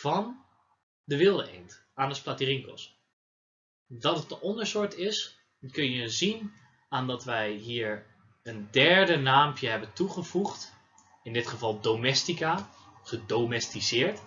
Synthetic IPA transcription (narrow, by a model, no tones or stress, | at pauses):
vɔn | dəʋɪlˠəḛjnt | aːnəsplatiriŋkɔ̰s | dɑtətənɔndəɹsʊɹtɪs | kɵnjəzin | aːndɔtʋɛjɦiːɹ | əndɛɹdənaːmpjəɦɛbəntuχəv̥uχt | ɪndɪtχəvɑlˠdomɛstika | χədomɛstisɪːɹt